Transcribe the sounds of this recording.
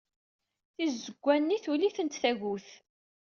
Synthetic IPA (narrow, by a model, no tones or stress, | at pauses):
θizːəɡʷːænːiθuliθənt̪θæʝuθ